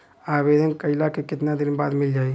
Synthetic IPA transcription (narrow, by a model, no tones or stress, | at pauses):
aːʋeːd̪ʱənkɐɪlakekɪt̪nad̪ɪnba̰ːd̪mɪld͡ʒaːi